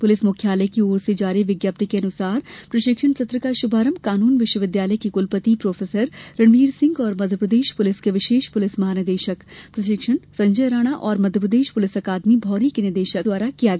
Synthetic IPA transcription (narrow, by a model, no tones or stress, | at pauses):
pʊlɪsmʊkʰjaːləjkioːɾsed͡ʒaːɾiʋɪɡjaːp̚t̪ikeɐnʊsaːɾpɾɐʃɪkʃəɳt͡ʃʰɐt̪ɾəkaʃʊbʱaːɾəmkaːnuːnʋɪʃwəʋɪd̪jaːləjkikʊlpət̪ipɾoːfʰeːsəɾɾɐɳʋiːɾsɪ̃ŋɡɔːɾmɐd̪ʱjəpɾəd̪eːʃpʊlɪskeʋɪʃeːʃpʊlɪsmɐɦaːnɪɾd̪eːʃəkpɾɐʃɪkʂəɳsɐ̃ɲd͡ʒəjɾaːɽ̃aʔɔːɾmɐd̪ʱjəpɾəd̪eːʃpʊlɪsɐkaːd̪mibʱɔːɾikenɪd̪eːʃəd̪waːɾakija